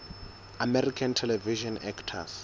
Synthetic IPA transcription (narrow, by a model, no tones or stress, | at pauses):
amɛrikʰantʰɛlɛviʃɔnɛ̰kʰtʰas